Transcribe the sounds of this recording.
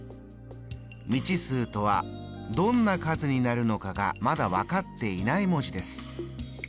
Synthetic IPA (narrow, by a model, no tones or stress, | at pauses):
mʲit͡ɕisɨːt̪o̞β̞a̰ | d̪õ̞nːakazɨɲ̟inaɾɯ̟no̞kaɡa̰mad̪aβakat̪ːe̞inaimo̞ʑid̪e̞sɨ̥